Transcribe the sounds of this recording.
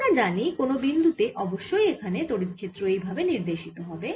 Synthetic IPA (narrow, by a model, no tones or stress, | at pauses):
ad͡ʑanikonobind̪ʱut̪eʔɔboʃːojekʰanet̪oɽit̪kʰet̪ːɾoejbʱabeniɾd̪eʃit̪oɦɔbe